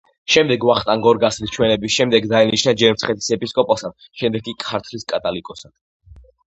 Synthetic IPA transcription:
ʃɛmd̪ɛɡvaχt̪ʼaŋɡɔɾɡaslist͡ʃʰwɛnɛbisʃɛmd̪ɛɡd̪ainiʃnad͡ʒɛɾmt̪sʰχɛt̪ʰi̥sɛpʼiskʼɔpʼasad̪ | ʃɛmd̪ɛɡʼikʼʰaɾt̪ʰliskʼat̪ʼalikʼɔsad̪̥

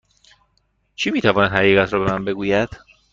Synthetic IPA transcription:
t͡ʃʰiːmiːt̪ʰævɒːnæd̪hæʁiːɣæt̪ʰɾɒːbe̞mænbe̞ɡuːjæd̪̥

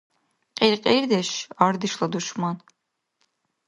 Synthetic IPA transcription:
qʼeɾqʼejɾd̪ɛʃɑɾd̪ɨʃlˠad̪uʃmɑn

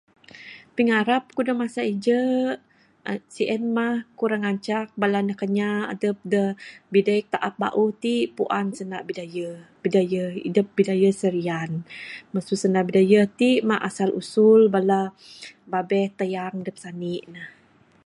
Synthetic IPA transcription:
piŋaɾap̚kudəmasaid͡ʒə | siʔənmahkuɾaŋaɲt͡ʃak̚balanəhkəɲaːdəp̚dəbidajk̚t̪aʔap̚ba̰ʔut̪iʔpuʔansənaʔbidajəb̥idajəḭdəp̚bidajəsəɾianməsusənaʔbidajət̪iʔmaʔasalʔṵsulbala | babɛht̪əjaŋdəp̚saniʔnəh

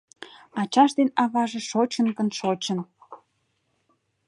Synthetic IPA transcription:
ɑt͡ɕɑʃd̪enɑβɑʒĕʃot͡ɕənkə̆nʃot͡ɕən

